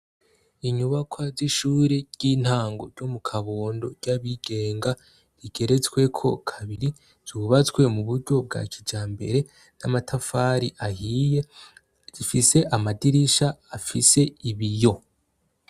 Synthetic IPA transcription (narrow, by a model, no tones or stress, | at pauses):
iɲuβakʰwaziʃuːɾeɾɟ̥iːn̥haːŋɡo̞̰ɾɟomukʰaβoːndo̞ɾɟaβiɡ̥e̞ːŋɡa | ɾiɡ̥e̞ɾe̞t͡swe̞kʰo̞̰kʰaβiɾi | z̥uβat͡skwe̞muβuɾɟo̞b̚ɡa̰ːcid͡ʒaːmbe̞̰ɾe̞ | namatʰafaːɾiʔahije̞ | z̥ifise̞ʔamadiɾiʃaːfise̞iβijo̞